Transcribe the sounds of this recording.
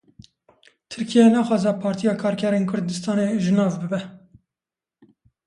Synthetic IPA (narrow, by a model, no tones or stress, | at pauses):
t̪ʰɨɾkʰijɛnɑːxɑːzɛpʰɑːɾt̪ijɑːkʰɑːɾkʰɛɾeːnkʰʊɾd̪ɨst̪ɑːneʒɨnɑːvbɨbɛ